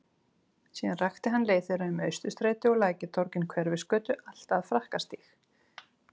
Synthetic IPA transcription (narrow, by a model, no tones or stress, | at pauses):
siːanraxt̪ɪɦanːleːjθɪɾaʏmœɥst̪ʏst̪ɾeːjt̪ɪɔɣlaːjcɪt̪ʰɔɾcɪnkʰvɛɾvɪskœːt̪ʏʔal̥t̪aðfɾahkast̪ix